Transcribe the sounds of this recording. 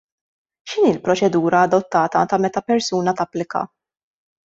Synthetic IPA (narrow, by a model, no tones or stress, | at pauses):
ʃɪniːlpɾɔt͡ʃɛd̪uːɾɐːd̪ɔt̪ːɐːt̪ɐt̪ɐmɛt̪ɐpɛɾsuːnɐt̪ɐpːlɪkɐ̰